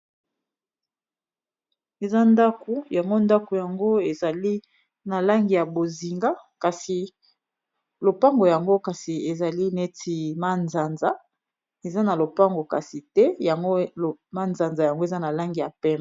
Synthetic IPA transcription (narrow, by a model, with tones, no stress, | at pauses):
e˨za˦nda˦ko˨ja˨ŋɡo˦nda˦ko˨ja˨ŋɡo˦e˨za˨li˦ | na˨la˦ŋɡi˨ja˨bo˨zi˨ŋɡa˦ka˨si˨ | lo˨pa˦ŋɡo˨ja˨ŋɡo˦ka˨si˨e˨za˨li˦ne˦tʰi˨ma˦nza˨nza˦ | e˨za˦na˨lo˨pa˦ŋɡo˨ka˨si˨tɛ˦ja˨ŋɡo˦˨ma˦nza˨nza˨ja˨ŋɡo˦e˨za˦na˨la˦ŋɡi˨ja˨pɛ˦ma˦